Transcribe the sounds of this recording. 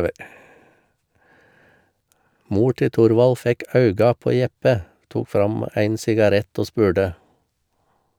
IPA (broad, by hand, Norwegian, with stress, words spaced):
ˈmuː ˈʈɪ ˈtʊɾʋɑl ˈfɛk ˈɑʉɡɑ ˈpoː ˈjɛpə ˈtuːk ˈfɾɑm ˈæɪn sɪɡɑˈɾɛt ˈoː ˈspʉːɖə